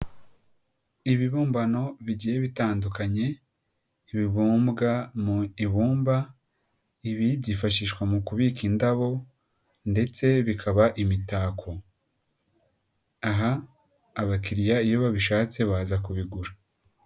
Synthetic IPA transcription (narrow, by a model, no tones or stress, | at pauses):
iβiβuːmbano̞βiɟije̞βitaːndukaɲe̞ | iβiβuːmbɡamuiβuːmba | iβiβɟiːfaʃiːʃkwamukuβikindaβo̞ | nde̞t͡se̞βikʰaβaʔimitaːkʰo̞ | aɦaː | βakiɾijaijo̞βaβiʃaːt͡se̞βaːzakuβiɡuɾa